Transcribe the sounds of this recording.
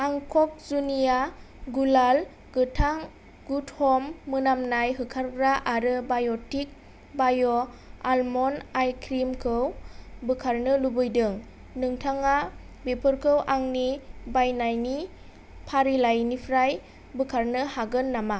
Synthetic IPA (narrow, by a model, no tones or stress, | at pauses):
aŋkʰɔk̚zunija | ɡulal | ɡɯtʰaŋ | ɡuthɔmːɯnamnajɦɯkʰaɾɡɾaʔaɾɯbajɔtik̚ | bajɔ | almɔnajkʰɾimkʰɯwbɯkʰaɾnɯlubɯjdɯŋ | nɯŋtʰaŋa | bepʰɯɾkʰɯwʔaŋnibajnajni | pʰaɾilajnipʰɾaj | bɯkʰaɾnɯhaɡɯnːama